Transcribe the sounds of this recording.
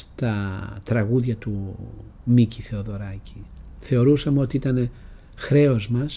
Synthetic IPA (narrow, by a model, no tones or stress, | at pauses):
t̪ɐt̪ɾɐɣuðʝɐt̪u | miciθe̞o̞ðo̞ɾɐciθe̞o̞ɾusɐmeo̞t̪iit̪ɐne̞ | xɾe̞o̞zmɐs